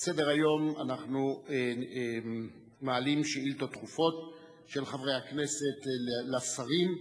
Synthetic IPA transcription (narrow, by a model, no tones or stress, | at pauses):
sedeʁajo̞ma̰naχnu | maalimʃeilt̪ot̪χufo̞t̪ | ʃe̞lχavʁe̞jhakne̞set̪llafsaʁim